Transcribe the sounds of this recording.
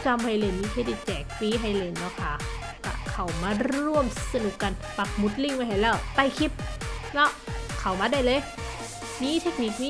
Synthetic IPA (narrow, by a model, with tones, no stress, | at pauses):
t͡ɕa˧mha˧jle˧˩nːiː˧˥kʰeː˧˩di˧˩t͡ɕɛː˨˩k̚fiː˧˥ɦa˧˥˩jle˧˩nːɔ˧˥˩kʰa˦˧˥ | ka̰˧˩kʰa˨˩wmaː˧˥ɾu˥˩əmsa˧nu˨˩kːa˧˩n | pa˨˩k̚mu˧˥˩t̪̚li˧˥˩ŋma˧˩jɦa˨˩jlɛː˧˩wt̪a˧˩jkʰi˧˥p̚nɔ˦˥kʰa˨˩wmaː˧da˧˩jlɤː˧j | miː˧˥˨t̪ʰe˦˥k̚ni˨˩k̚miː˦˥